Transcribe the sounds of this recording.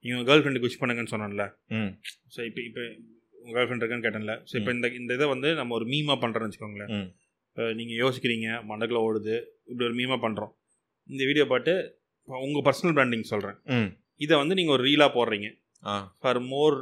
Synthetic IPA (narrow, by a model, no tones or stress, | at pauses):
niːŋɡɐʊɡɐɡɐlfɾɛɳɖɯkʊʂpɐɳːɯŋɡɐnːɯsɔnːanɪlːɐ | soːɪpːɐɪpːɐ | ʊŋɡɡɐlfɾɛɳɖɪɾɯkːɐnːɯk̬eːʈːãːnɪlːɐsoːɪpːɐɪnd̪ɐɪnd̪ɐðɐʋɐnd̪ɯnɐmːɐɔɾɯmiːmaːpɐɳːɾẽːʋɐt͡ʃːɯ̥kːʋɐːŋɡɐɭːɐ | pːɐniːŋɡɐjoːsɪkːɪɾiːŋɡɐmɐɳɖɐkːloɽɯðɯɪpːɐɽijɔɾɯmiːmaːpɐɳɾõː | ɪnd̪ɐʋiːɽɪjoːpaːʈːɯ | pʊŋɡɐpɐɾsɐnɐlbɾaːɳɖɪŋɡsɔlrɾẽː | ɪðɐʋɐnd̪ɯniːŋɡɐɔɾɯɾiːlaːpoːɾɾiːŋɡɐ | afɐɾmoːɾ